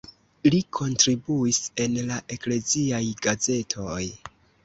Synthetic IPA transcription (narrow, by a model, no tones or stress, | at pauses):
likʰo̞ntɾibuise̞nlaʔe̞kle̞ziajɡaze̞tʰo̞j